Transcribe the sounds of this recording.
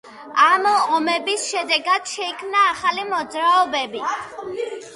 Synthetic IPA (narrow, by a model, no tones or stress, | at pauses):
amɔmɛbisʃɛd̪ɛɡad̪̥ʃɛikʰmnaːχalimɔd̪zɾaɔbɛbi